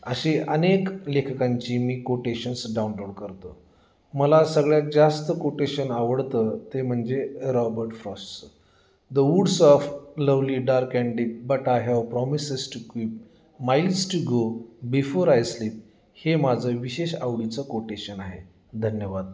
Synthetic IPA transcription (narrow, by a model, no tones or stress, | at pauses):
əɕeʔəneklekʰkãɲt͡ɕiːmiːkoʈeɕənsɖawunloɽkəɾt̪ə | məlasəɡɭjak̚d͡zast̪əkoʈeɕənaʋəɽt̪ət̪em̤əɳd͡zeɾɔbəɾʈfɾɔsʈt͡s | d̪əʋuɽsɔfləʋliːɖaɾkæɳɖiːt̪̚bəʈaɦawpɾɔmisesʈukiːp̚ | mailsʈuɡobifoɾajsliːp̚ | hemad͡zʱəʋiɕeɕawɽit͡səkoʈeɕənaɦḛ | d̪ʱənjəʋad̪̚